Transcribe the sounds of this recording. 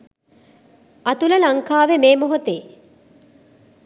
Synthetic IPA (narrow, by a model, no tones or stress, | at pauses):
at̪uləlɐŋkaːʋemeːmoɦot̪e